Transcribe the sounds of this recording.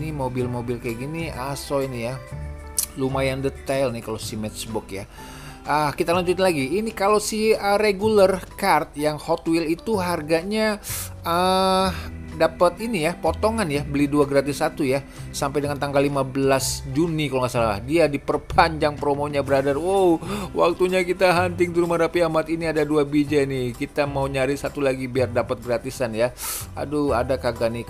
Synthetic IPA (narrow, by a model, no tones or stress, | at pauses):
nimobɪlmobɪlkajaɡiniasoinija | lumajandət̪alnikalosimɛtsbɔkja | ʔəkit̪alaɲd͡ʒut̪nlaɡiːnikalowsɪhəreɡulərkart̪̚jaŋhɔt̪wilit̪uɦarɡaɲaə | dapət̪inijapot̪oŋanjahbəliduaɡɾat̪̬ɪsːat̪uja | sampajdəŋant̪aŋɡalːimabəlasd͡ʒunikaloŋasalala̰hdiadipərpʰaɲd͡ʒaŋpəɾomoɲabəɾadarwowa̰k̚t̪uɲakit̪aɦant̪ɪŋt̪uɾumaɾapiamat̪iniadaduabid͡ʒanɪhkit̪amauɲaɾɪsat̪ulaɡibiardapət̪̚ɡəɾat̪isanjaa̰duadakaɡani